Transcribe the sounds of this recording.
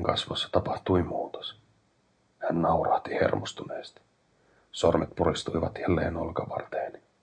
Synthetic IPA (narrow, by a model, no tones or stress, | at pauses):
ŋkɑ̰sʋosːɑ̥t̪ɑpɑht̪uimuːt̪o̥s | hænːɑurɑht̪ihḛrmost̪uneːst̪i̥ | sormet̪purist̪uiʋɑt̪jælːḛːnolkɑʋɑ̰rt̪eːni